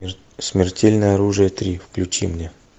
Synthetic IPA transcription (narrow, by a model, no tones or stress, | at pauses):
smʲɪrtʲelʲnəjəɐɾuʐɨjət̪ɾʲifklʲʉt͡ɕimnʲe